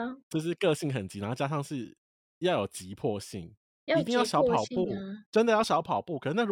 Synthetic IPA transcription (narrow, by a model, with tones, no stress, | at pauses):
t͡ɕo˥˧ʂ̬ɻ̩˥˧kɤ˥˧ɕi˥˩ŋxə˨˩nt͡ɕi˧˥na˧˥t͡ɕja˥ʂɑ˥˧ŋʂɻ̩˥˩ | jɑ˥˩ʊjo˨˩ʊt͡ɕi˨˦pʰwɔ˥˧ɕi˥˨˩ŋ | i˧t̪i˥˧ŋjʊɕjɑ˧˥ʊpʰɑ˨˩ʊpu˥˨ʈ͡ʂə˦nd̪ə˨jɑ˥˩ɕjɑ˧˥ʊpʰɑ˨˩ʊpu˥˨kʰə˨˩nə˧˩na˥˩